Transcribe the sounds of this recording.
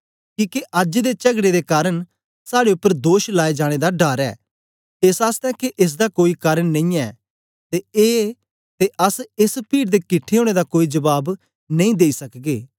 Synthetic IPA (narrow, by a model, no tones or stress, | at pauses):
kĩːkeʔɐd͡ʒd̪et͡ʃɐɡɽed̪ekaːɾəɽ̃ | saːɽeʊpːəɾd̪oːʃlaːed͡ʒaːɽ̃ed̪aɖaːɾɛ̰ː | esaːst̪ɛkeʔɪs̬d̪akoːikaːɾəɳnɐ̃ĩːɛː | t̪eeː | t̪eʔɐsɪspiːɽd̪ekɪʈʰːeɦoːɽ̃ed̪akoːid͡ʒɐbaːb | nɐ̃ĩːd̪eːisɐkɡeː